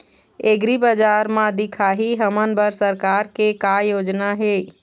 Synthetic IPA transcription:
eɡɾibəd͡ʒaɾmãd̪ɪkʰaɦiɦəmənbəɾsəɾkaɾkekajoːd͡ʒnaɦe

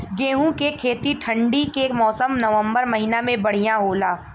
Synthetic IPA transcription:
ɡeːɦũkekʰeːt̪iʈʰɐ̃ɳɖikemɔːsəmnɐʋə̃mbəɾmɐɦinamẽbɐɽ̤ijãɦoːlaː

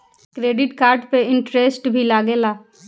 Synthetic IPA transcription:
kɾeːɖɪʈkaːɾɖpeɪ̃ɳʈɾesʈbʱilaːɡeːlaː

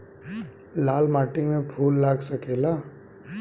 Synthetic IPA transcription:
laːlmaːʈɪ̃ŋɡmẽbʰʱuːlːaːɡsəkeːlaː

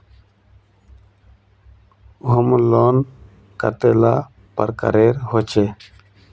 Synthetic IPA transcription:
ɦʊmloːn | kə̰t̪elaː | pə̰ɾkə̰ɾeːɾhoːt͡ɕe

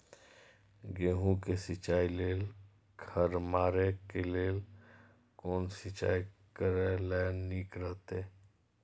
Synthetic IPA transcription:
ɡeːɦũkesɪt͡ʃaːileːl | kʰəɾmaːɾekeleːl | koːnsɪt͡ʃa̰ːikəɾelɛːniːkɾəɦt̪eː

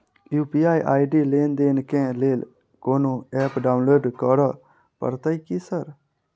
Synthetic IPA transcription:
juːpiːaːiːʔaːiɖiːleːnd̪eːnkẽːleːl | koːnõːɛːpɖaːʊnloːɖkɔɾaː | pə̰ɾt̪aːiːkiːsəɾ

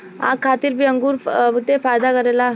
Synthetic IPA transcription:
a̰ːkʰaːt̪iɾbʱiɐ̃ŋɡuːɾʊd̪ːefaːjd̪akɐɾela

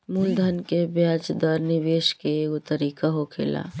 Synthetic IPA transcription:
muːld̪ʱənkebjaːd͡ʒd̪ɔːɾnɪʋeːʃkekʊt̪əɾiːkaɦokʰḛːla̰ː

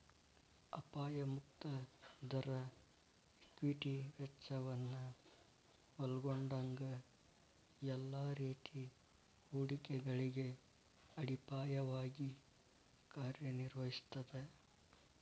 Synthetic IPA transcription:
ɐpaːjɐmukt̪ɐd̪ɐɾɐ | kʋiʈiʋɛt͡ʃːɐʋɐnːu | ʋɐlɡoɳɖɐŋɡɐ | jɛlːaːɾiːt̪i | uːɽikɛɡɐɭiɡe̞ | ɐɽipaːjɐʋaːɡi | kaːɾjɐniɾʋɐɦist̪ːɐd̪e

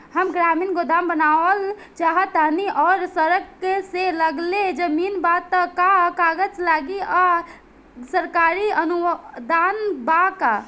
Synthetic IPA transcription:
həmɡɾamiːnɡod̪aːmbənaəl | t͡ʃaɦət̪əniʔɔːɾsəɾəkːeseləɡled͡ʒəmiːnbat̪əkakaːɡəd͡ʒlaɡia | səɾkaɾiənud̪anbaka

